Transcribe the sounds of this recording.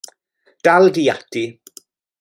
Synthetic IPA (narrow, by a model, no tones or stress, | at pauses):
d̥alˠdiːatʰi